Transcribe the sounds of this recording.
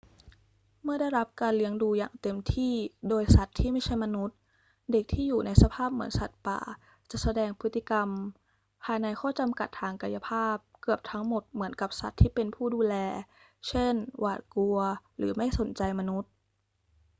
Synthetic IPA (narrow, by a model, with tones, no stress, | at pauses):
mɯ˥˩ɐda˥˩jɾa˦˥p̚kaː˧nli˦˥əŋduː˧ja̰ː˨˩ŋt̪e˧mt̪ʰiː˥˩doː˧jsa˨˩t̪ʰːiː˥˩ma˥˩jt͡ɕʰa˥˩jma˧nu˦˥t̪̚ | de˨˩k̚t̪ʰiː˥˩juː˨˩na˧jsa˧pʰaː˥˩p̚mɯ˩˦ənsa˨˩t̪̚pa̰ː˨˩ | t͡ɕa˨˩ʔsa˧dɛː˧ŋpʰɯː˦˥i˧˩ka˧m | pʰaː˧jna˧jkʰɔː˥˩t͡ɕa˧mka˨˩t̪ʰːaː˧ŋka˧ja˧pʰaː˥˩p̚kɯ˨˩əp̚t̪ʰa˦˥ŋmo˨˩t̪̚mɯ˩˦ənka˨˩p̚sa˨˩t̪ʰːiː˥˩pe˧npʰuː˥˩duː˧lɛː˧ | t͡ɕʰe˥˩nwa̰ː˨˩t̪̚ku˧ɐɾɯ̰ː˩˦ma˥˩jso˩˦nt͡ɕa˧jma˧nu˦˥t̪̚